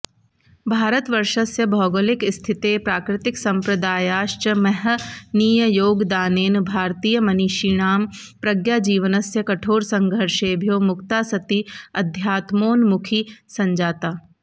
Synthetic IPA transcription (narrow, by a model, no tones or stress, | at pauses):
bʱaːɾət̪ʋɐɾʃɐsjəbʱɔːɡoːlɪkst̪ʰɪt̪eːpɾaːkɾɪt̪ɪksɐ̃mpɾəd̪aːjaːʃt͡ʃəmɛɦniːjəjoːɡd̪aːneːnbʱaːɾt̪iːjəmɐniːʃiːɳaːm | pɾɐɡjaːd͡ʒiːʋənɐsjəkɐʈʰoːɾsɐ̃ŋɡʱəɾʃeːbʱjoːmʊkt̪aːsɐt̪iːɐd̪ʱjaːt̪moːnmʊkʰiːsɐ̃ɲd͡ʒaːt̪aː